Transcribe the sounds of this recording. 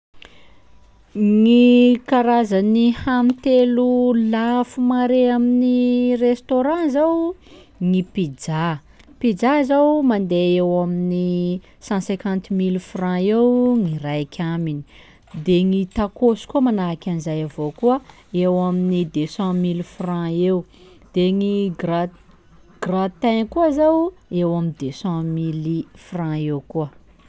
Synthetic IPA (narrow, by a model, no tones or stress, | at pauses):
ŋikaɾazanihamit̪elulafumaɾeaminirest̪oɾãzaw | ŋipid͡ʒa | pid͡zaizawmand̪eewamini | sɑ̃sẽkãnt̪milfrãewŋiɾajkʲʰamini̥ | d̪eŋit̪akosi̥kuəmanakʲanizajavokuə | ewaminid̪esãmilfrãew | d̪̥eŋiɡra | ɡ̥rat̪ɛnkuazawewamind̪esãmilifrãewkuə